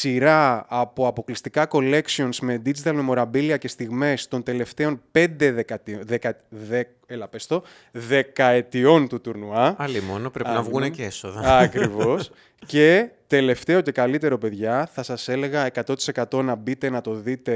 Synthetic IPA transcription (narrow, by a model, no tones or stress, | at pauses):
siɾɐːpo̞ɐpo̞klist̪ikɐko̞le̞ksio̞nzme̞d̪id͡zit̪ɐlmmo̞ɾɐbiliɐce̞st̪iɣme̞st̪o̞nt̪e̞le̞ft̪e̞o̞npe̞nd̪e̞ðekɐt̪iðekɐð | elɐpest̪o̞ | ðe̞kɐe̞t̪io̞nt̪ut̪uɾnuɐɐlimonopɾeinɐvɣunecesoðɐɐkɾivo̞s | ce̞t̪e̞le̞ft̪e̞o̞ce̞kɐlit̪e̞ɾo̞pe̞ðʝɐθɐsɐse̞le̞ɣɐekɐt̪o̞t̪i̥se̞kɐt̪o̞nɐbit̪e̞nɐt̪o̞ðit̪e̞